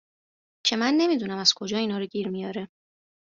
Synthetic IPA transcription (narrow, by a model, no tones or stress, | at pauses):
t͡ʃʰe̞mænːe̞miːd̪uːnæmæz̥kʰo̞d͡ʒɒːiːnɒːɾoɟiːɾmijɒːɾe